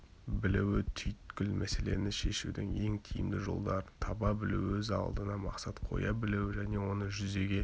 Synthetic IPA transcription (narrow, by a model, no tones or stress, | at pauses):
bɪlɪwɪt̪ʰʏjt̪kʲɪlmæse̞le̞̰nɪʃe̞ʃud̪ɪŋe̞ŋt̪ʲʰijɪ̰md̪ɪʒo̞̰lˠd̪ɑɾənt̪ʰɑbɑbɪlɪ̰wɵzɑ̰lˠd̪ənɑmɑqsɑt̪qʰo̞̰jɑbɪlewʒæne̞wo̞nəʒʏze̞ɡʲe̞